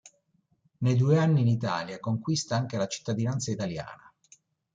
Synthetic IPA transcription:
nejd̪ueanːiːnit̪a̰ːljakoŋkwist̪aaŋkelat͡ʃi̥t̪ːad̪inant̪sait̪alja̰ːna

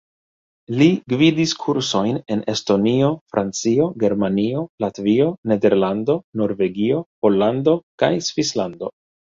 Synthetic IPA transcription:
liɡvidiskʰuɾso̞jne̞ne̞sto̞nio̞fɾʔant͡sio̞ɡe̞ɾmanio̞latvio̞ne̞de̞ɾlando̞no̞ɾve̞ɡio̞po̞lːando̞kajsvislando̞̰

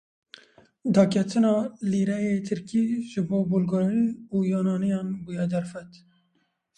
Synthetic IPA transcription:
d̪ɑːkʰɛt̪ʰɨnɑːliːɾɛjeːt̪ʰɨɾkiːʒɨboːbulɡoɾinuːjɑːnɑːnɛjɑːnbujɛd̪æɾfɛt̪

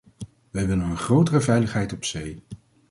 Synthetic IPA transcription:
ʋɛjʋɪlənənχrowtərəvɛjləχɦɛjtɔpsej

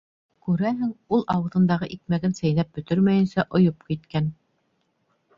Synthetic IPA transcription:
kʉɾæɦɘŋulˠʔɑwɤ̆ðɤ̆nd̪ɑʁɤʔik̚mæɡɘnsæjnæp̚bɵ̆t̪ɵɾmæjɘ̆nsæʔŏjop̚kit̪kæn

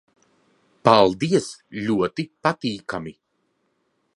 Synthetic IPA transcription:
palˠd̪iɛslʲuɔt̪ipat̪iːkami

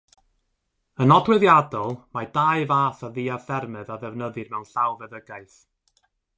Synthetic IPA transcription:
ənɔdwɨðjadɔlˠmadajɨvaːθaðiːavθɛrmɨðaðɛvnəðɨrmɛwnɬawvɛðəɡaɨθ

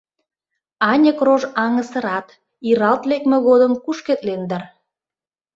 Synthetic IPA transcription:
ɑnʲəkroʒɑŋəsə̆ɾɑt̪ | iɾɑlt̪lekmĕɣod̪əmkuʃket̪lend̪ɑr

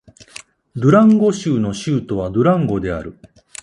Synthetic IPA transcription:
d̪ɯ̟ɾãŋɡo̞ɕɨːno̞ɕɯːt̪o̞β̞ad̪ɯ̟ɾãŋɡo̞d̪e̞a̰ɾɯ̟

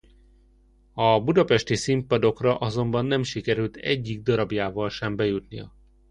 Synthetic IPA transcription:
ɒbud̪ɒpɛʃt̪isimpɒd̪o̞krɒʔɒzo̞mbɒnːɛmʃikɛɾylt̪ʰɛ̰ɟːiɡ̚d̪ɒɾɒbjaːvɒlʃɛmbɛjut̪nijɒ̰

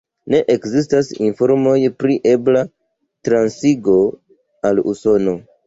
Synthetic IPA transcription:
ne̞ʔekzis̬tasḭnfo̞ɾmo̞jpɾiʔe̞bla | tɾansiɡo̞ | alṵso̞no̞

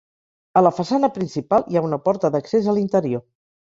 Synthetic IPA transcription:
ələfəsanəpɾinsipalˠiaunəpɔɾt̪əðəksezəlint̪əɾio

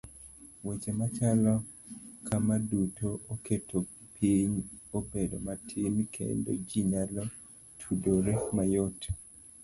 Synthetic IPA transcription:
wet͡ʃemat͡ʃalɔ | kʰamadutʰoʔoketʰopʰiɲobedo̰matʰimkʰḛndo̰d͡ʒiɲalo | tʰudoɾɛmajot

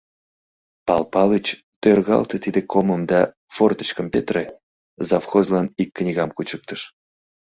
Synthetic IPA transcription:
pɑlpɑlət͡ɕ | t̪ørɣɑ̰lt̪ət̪id̪ekoməmd̪ɑ | fort̪ət͡ɕkəmpet̪re | zɑfxozlɑnikʰːnʲiɣɑmkut͡ɕək̚t̪əʃ

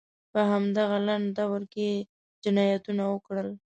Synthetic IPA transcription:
pəɦamd̪aɣalaɳd̪awəɾke | d͡ʒɪnɑjat̪unawəkɽəl

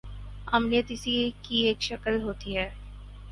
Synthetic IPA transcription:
ɐmnɪjət̪ɪsikieːkʃɐkəlɦoːt̪iɦɛː

